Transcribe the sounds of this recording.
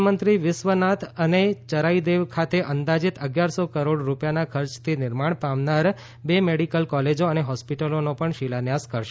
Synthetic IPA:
mənt̪ɾiʋɪsʋənat̪ʰənet͡ʃəɾaid̪eʋkʰat̪eʔənd̪ad͡ʒit̪ʰəɡjaɾsokəɾoɽɾupjanakʰəɾt͡ʃt̪ʰinɪɾmaɳ̃pamnaɾ | bemeɽikəlkɔled͡ʒoəneɦɔspiʈəlonopəɳʃilanjaskəɾʃ

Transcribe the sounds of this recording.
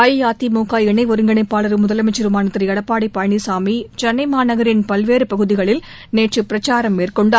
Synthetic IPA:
ɐjjaːt̪imuːkaːjɛɳɐɪʋɔɾɯŋɡɐɳɐɪpːaːɭɐɾɯmʊðɐlɐmɐt͡ʃːɐɾɯmaːnɐt̪ːɾɐɐɽɐpːaːɽipɐjɳisaːmit͡ʃɐnːɐɪmaːnɐɣɐɾɪnpɐlʋeːɾɯpɐɣɯðɪɣɐɭɪl | neːʈrɯpɪɾɐt͡ʃaːɾɐmːeːrkɔɳɖ

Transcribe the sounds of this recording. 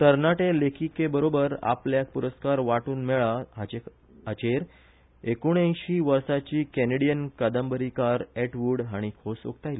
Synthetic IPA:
t̪əɾnaʈelekʰikebəɾobəɾa̰pljak̚puɾəskaɾʋaʈuːnmɛɭa | ɦat͡ɕeɾ | ekoɽ̃ẽjɕiːʋəɾsat͡ɕiːkɛneɽijənkəd̪əmbəɾikaɾɛʈʋuɽɦaɽ̃ikʰoso̰k̚t̪ajli

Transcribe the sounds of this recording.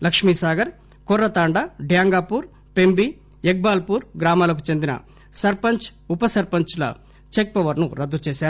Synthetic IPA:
lɐkʂmiːsaːɡɐɾ | kɔɾːɐt̪aːɳɖɐɖjaːŋɡaːpuːɾ | pembi | ek̚baːlpuːɾɡɾaːmaːlɐk̬ut͡ʃe̞nd̪inɐ̰ | sɐɾpɐɲt͡ʃupɐsɐɾpɐɲt͡ʃlɐ̰ | t͡ʃek̚pɐʋɐɾnuɾɐd̪ːut͡ʃeːʃaː

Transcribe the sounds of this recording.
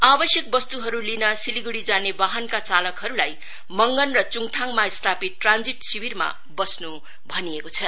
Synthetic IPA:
abʌsjʌk̚bʌst̪uɦʌɾulinʌsiliɡuɽid͡zanebaɦʌnkat͡salʌkɦʌɾulaj | mʌŋɡʌnrʌt͡suŋt̪ʰaŋmaist̪ʰapit̪̚ːrand͡ziʈsiwirma̰ | bʌsnu | bʱʌniekot͡sʰʌ

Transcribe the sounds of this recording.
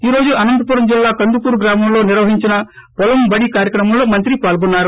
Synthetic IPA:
iːɾo̞ːd͡ʒuɐnɐnd̪ɐpuɾɐmd͡ʒilːaːkɐnd̪upuːɾuɡɾaːmɐmlo̞ːniɾʋɐɦiɲt͡ʃinɐpɔlɐmbɐɽikaːɾjɐkɾɐmɐmloːmɐnt̪ɾipaːlɡunːaːɾu

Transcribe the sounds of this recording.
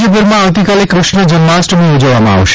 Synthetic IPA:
d͡ʒəp̬ʊɾmãaʋt̪ikalekɾʊʃɳəd͡ʒənmasʈbʱĩud͡ʒəʋamãa̰ʋʃ

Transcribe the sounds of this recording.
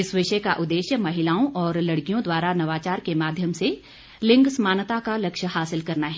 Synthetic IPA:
ɪsʋɪʃəkaʔʊd̪ːeːʃjəmɐɦɪlaːõʔɔːɾlɐɽkijõd̪waːɾanɐʋaːt͡ʃaːɾkemaːd̪ʱjəmse | lɪ̃ŋɡsmaːnət̪akalɐkʃhaːsɪlkɐɾnaɦɛ

